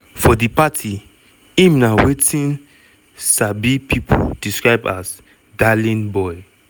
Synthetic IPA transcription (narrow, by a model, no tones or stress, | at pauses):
fɔdipatʰi | ĩmnawetĩn | sabipʰipʰɔ̰d̥iskɹaɪba̰s | dalĩnbɔj